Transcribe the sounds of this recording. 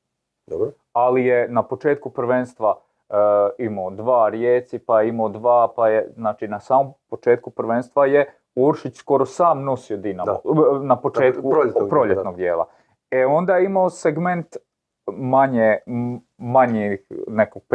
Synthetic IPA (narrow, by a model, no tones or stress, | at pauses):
d̪o | alijenapo̞t͡ʃeːt̪kupɾʋenst̪ʋa | imaod̪ʋaːɾjeːsipajeimaːd̪ʋaːpajeznaːt͡ʃinasaːmompo̞t͡ʃe̞ːt̪̚kupɾʋenst̪ʋaje | uɾʃit͡ɕsko̞ɾosaːmno̞siod̪ina̰mo̰napot͡ʃeːt̪upɾoʎet̪noɡ̚d̪jeːlˠa̰ | eo̞nd̪ajeimaoseɡme̞nt̪ | maɲe | maɲixnekoɡ̚p